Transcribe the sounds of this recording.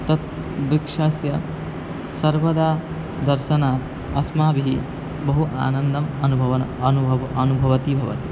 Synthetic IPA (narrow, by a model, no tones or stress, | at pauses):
t̪ɐt̪ | bɾikʂaːsjɐ | sɐɾʋɐd̪aː | d̪ɐɾʃɐnaːt̪ | ɐsmaːbiɦi | bɐɦuʔa̰ːnɐnd̪ɐmɐnubʱɐʋɐnuɐnubʱɐʋɐt̪ibʱɐʋɐ̰t̪i